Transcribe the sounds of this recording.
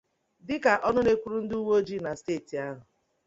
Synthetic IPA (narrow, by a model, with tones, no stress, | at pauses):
dɪ˦ka˨ʔɔ˦nʊ˦ne˦kʷu˦ɾu˦n̩˦du˦wo˦o˦d͡ʒi˦na˨steː˦˨ti˨a˦ɦʊ˨